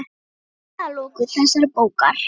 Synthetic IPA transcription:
θalɔːkʏθɛsːaɾpoːwkaɾ̥

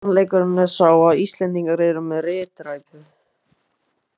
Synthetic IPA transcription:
nlejkʏɾʏnɛðsaːwaðist̪lɛnt̪iŋkaɾeɾʏmːɛðrɪːt̪ɾajkʏ

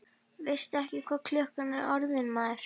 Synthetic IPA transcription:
vɪjst̪ɛhcɪkʰvaːðkʰlœːhkanːɛɾɔɾðɪnmaːɾ̥

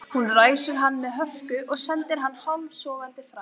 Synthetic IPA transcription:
hunraːjsʏɾ̥ɦanːmɛðɦœhkʏʔɔɣsɛnt̪ɪɾ̥ɦanːhɔlssɔːvant̪ɪfɾa

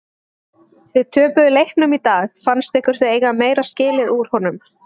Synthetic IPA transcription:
vɪðt̪ʰœːpʏʏlejhknʏmit̪aːxfanst̪ɛhkʏɾ̥θveeːjkameːjɾascɪːlɪðuɾ̥hɔnʏm

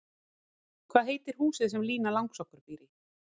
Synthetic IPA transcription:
kʰvaːðɦeːjt̪ɪɾ̥huːsɪðsɛmliːnalawŋksɔhkʏɾ̥piːɾɪ

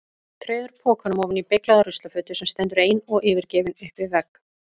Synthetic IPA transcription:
t̪ʰɾejðʏɾpʰɔːkvanʏmɔvʏnipeklaðarʏst̪lafʏːt̪ʏ̥sɛmst̪ɛnt̪ʏɾeːjnɔɣɪːvɪɾcɛːvɪnʏhpvɪðvɛk

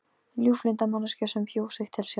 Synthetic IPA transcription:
ljuːflɪnt̪amanascasɛmpʰjoːwxsɪxt̪ʰɪlsjɛ

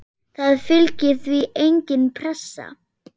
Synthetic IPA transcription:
θaðfɪlcɪθviejɲcɪnpʰɾɛsːa̰

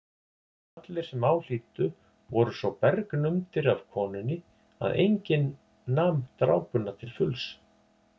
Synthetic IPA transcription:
at̪lɪɾ̥sɛmaːwl̥iːt̪ʏ | vɔɾʏsvɔwpɛɾknʏmt̪ɪɾav̥kʰɔːnʏnːɪ | a̰ðʔḛjɲcɪnː | aːmt̪ɾa̰ːwpʏnːat̪ʰɪlfʏls

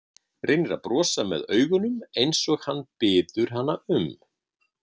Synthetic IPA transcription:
rejnɪɾa̰ðpɾɔːsamɛ̰ðœːɥɣʏnʏmejnsɔɣhanːpɪːðʏɾ̥ɦanːaʏm

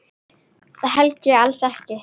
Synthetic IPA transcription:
θaðɦɛlcʏalsɛhcɪ

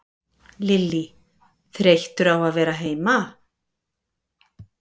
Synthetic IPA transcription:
lɪlːi | θɾʲejht̪ʏɾawaðvɛːɾaɦeːjma

